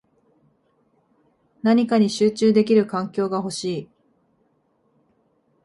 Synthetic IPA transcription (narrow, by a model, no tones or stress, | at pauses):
naɲ̟ikaɲ̟iɕɨːt͡ɕɨːd̪e̞kʲiɾɯ̟kãŋkʲo̞ːɡaɦo̞ɕiː